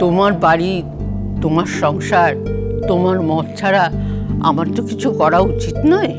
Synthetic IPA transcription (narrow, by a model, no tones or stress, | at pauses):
t̪omaɾbaɽi | t̪omaɾʃɔŋʃaɾtt̪omaɾmɔt̪t͡ɕʰaɾaa̰maɾt̪okit͡ɕʰukɔɾaut͡ɕit̪nɔe